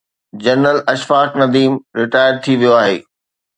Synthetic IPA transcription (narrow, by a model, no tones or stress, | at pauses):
d͡ʑɐnɾəlɐʃfaːknɐd̪iːmɾɪʈaːɪəɾt̪ʰiʋijoaːɦḛː